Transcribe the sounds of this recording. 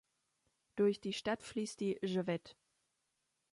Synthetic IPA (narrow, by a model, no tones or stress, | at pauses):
d̥ʊɐçd̥iːʃtatfliːstd̥iːʒəvɛt